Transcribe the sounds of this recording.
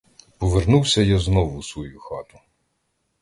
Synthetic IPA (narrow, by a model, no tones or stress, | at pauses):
pɔʋernuwsʲɐjaznɔʋʊsʋɔjuxɑt̪ʊ̥